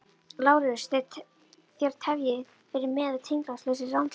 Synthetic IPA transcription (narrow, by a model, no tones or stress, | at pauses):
laːwɾɪs | θjɛɾt̪ʰɛvjɪ | fɪɾɪɾmɛːðat̪ʰejŋkɾast̪lœɥsɪrawnt̪